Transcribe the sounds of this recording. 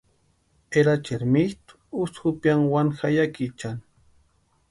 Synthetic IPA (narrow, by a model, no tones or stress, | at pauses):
eɾat͡ʃeɾmiht̪u̥usxupjaŋwanxajakit͡ʃan